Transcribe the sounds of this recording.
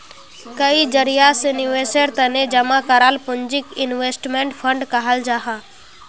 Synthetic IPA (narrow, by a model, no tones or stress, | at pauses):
kɐid͡ʒəɾɪjasenɪʋeːsəɾt̪əned͡ʒɐmakəɾaːlpʊɲd͡ʒɪkɪnʋeːsʈmẽɳʈpʰə̃ɳɖkəɦəld͡ʒaːɦaː